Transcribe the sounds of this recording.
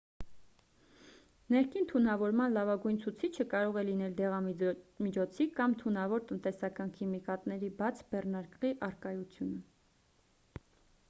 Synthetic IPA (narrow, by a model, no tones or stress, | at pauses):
nɛɾkʰint̪ʰunɑvɔɾmɑnlɑvɑɡujnt͡sʰut͡sʰit͡ʃʰəkɑɾɔʁɛlin̪ɛld̪ɛʁɑmit͡ʃʰɔt͡sʰikɑmt̪ʰunɑvɔɾt̪ənt̪ɛsɑkɑnkʰimikɑt̪nɛɾibɑt͡sʰbɛrnɑɾkʁiʔɑrkɑjut͡sʰjunə